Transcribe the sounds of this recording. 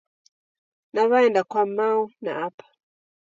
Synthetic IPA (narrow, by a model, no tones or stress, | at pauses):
naβaɛndakwamauna̰apḁ